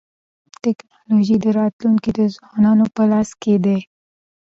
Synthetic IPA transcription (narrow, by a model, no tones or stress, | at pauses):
t̪ɪknɑloʒid̪əɾɑt̪luŋkid̪əzwɑnɑnopəlɑsked̪e